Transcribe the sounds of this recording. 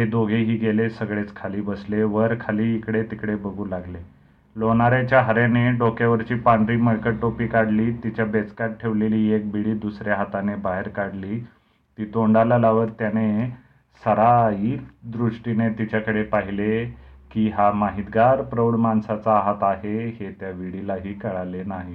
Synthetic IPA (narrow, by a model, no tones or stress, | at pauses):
ɦed̪oɡʱeɦiːɡelesəɡɭet͡skʰaliːbəsleʋəɾkʰaliːkɽet̪ikɽebəɡʱuːlaɡle | loɳaɾjat͡ɕjaɦəɾjaneɖokjaʋəɾt͡ɕiːpaɳɖɾiːməɾkəʈʈːopiːkaɽliːt̪it͡ɕjabet͡skaʈ̚ʈʰeʋleliːek̚biɽiːd̪usɾjaɦat̪anebaɦeɾkaɽliː | t̪iːt̪oɳɖalalaʋəɾt̪jane | səɾaikd̪ɾuʂʈinet̪it͡ɕjakəɽepaɦilekiːɦamaɦit̪ɡaɾpɾəwɳmansat͡saːɦat̪aɦehet̪jaʋiɽilaɦiːkəɭalenaɦi